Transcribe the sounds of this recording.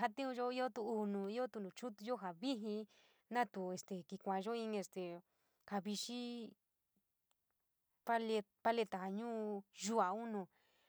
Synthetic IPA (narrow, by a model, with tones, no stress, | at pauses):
ɦa˧t̪ĩ˦ũ˧ʒo˦i˦o˦t̪uː˧nũ˧˨i˦o˦t̪u˧˨nũ˨t͡ʃu˦t̪u˧ʒo˦ɦa˨βi˦ɦĩ˧ | nã˦t̪u˨e˧˨st̪e˨ki˧kʷã˨˧ʒo˦ĩ˧n˧e˧st̪e˨ | ha˧βi˧ʃi˦ | pa˦le˧pa˧le˧t̪a˨ha˨ɲũː˦ʒu˦a˨u˦nũ˧˨